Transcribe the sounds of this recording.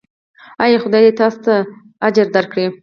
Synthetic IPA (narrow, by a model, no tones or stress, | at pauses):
ajɑxʊd̪ɑjd̪et̪ɑst̪aː | d͡ʒaɾd̪aɾkɽi